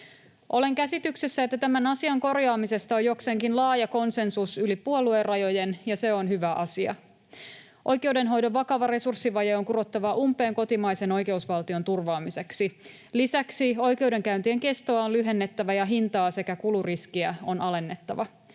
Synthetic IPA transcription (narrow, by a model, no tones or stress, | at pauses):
ʔo̞le̞ŋkæsit̪yksesːæet̪ːæt̪æmænɑsiɑŋko̞rjɑːmise̞st̪ɑojo̞kseŋkinlɑːjɑko̞nse̞nsusylipuoluerɑjo̞jenjɑse̞o̞nɦyʋæʔɑsiɑ̰ | ʔo̞jke̞wde̞nɦo̞jdo̞ʋʋɑkɑʋɑre̞sursːiʋɑjeoŋkuɾo̞t̪ːɑʋɑʔumpˑe̞ːŋko̞t̪imɑjseno̞jke̞usʋɑlt̪io̞nt̪urʋɑːmise̞ksi | lisæksio̞jke̞wde̞ŋkæynt̪ieŋke̞st̪oɑonlyɦe̞nːe̞t̪ːæʋæjɑɦint̪ɑːse̞kækuluriskiæo̞nʔɑle̞nːe̞t̪ːɑʋɑ